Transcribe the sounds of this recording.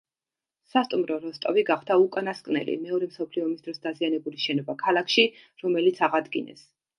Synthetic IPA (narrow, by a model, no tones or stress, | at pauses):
sast̪ʼumɾɔɾɔst̪ʼɔviɡaχd̪aukʼanaskʼnɛ̰lḭmɛɔɾɛmsɔpʰliɔmisd̪ɾɔsd̪azianɛbuliʃɛnɔbakʰalˠakʰʃi | ɾɔmɛlit̪sʰaʁad̪ɡinɛ̰s